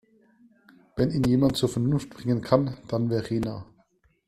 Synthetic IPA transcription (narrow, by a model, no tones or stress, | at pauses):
vɛniːnjeːmantt͡suːɐfɛɐnʊnft̚b̥ʁɪŋənkʰand̥anvɛːɐʁeːna